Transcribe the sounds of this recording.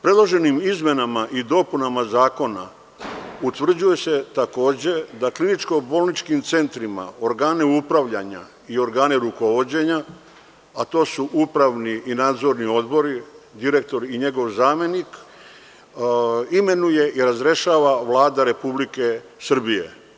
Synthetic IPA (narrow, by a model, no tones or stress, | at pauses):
pɾe̞d̪lˠo̞ʒe̞nimizme̞namaʔid̪o̞punamazaːko̞na̰ | ut̪ʋr̩d͡ʑuje̞se̞t̪ako̞ːd͡ʑe̞d̪aklinit͡ʃko̞bo̞lnit͡ʃkimt̪se̞nt̪ɾima̰o̞ɾɡaːneupɾaʋʎaɲa̰ | io̞ɾɡaːneɾuko̞ʋo̞d͡ʑe̞ɲaː | t̪o̞ːsuʔupɾaʋniinaːd̪zo̞ɾnio̞d̪bo̞ɾid̪iɾe̞k̚t̪o̞ɾiɲe̞ɡo̞ʋzaːme̞nik | ime̞nuje̞ʔiɾazɾe̞ʃaːʋaʋlˠaːd̪aɾe̞publike̞ | sr̩bijḛ